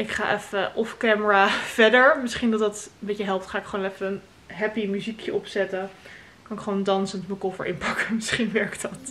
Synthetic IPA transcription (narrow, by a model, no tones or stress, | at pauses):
ʔɪkχa̰ːʔɛfəʔɔfkɛːməɹaːv̥ɛɹdəɹmɪsχindɑtdɑtəmbejjəɦɛlˠp̚tχaːɪkχəʋonɛfəən | ɦɛpimyzikʰjəʔɔpsɛtə | kɑnɪkχəʋondɑnsəntməkɔfə̰ɹʔɪ̰npɑkəmɪsχinʋɛɹktɑt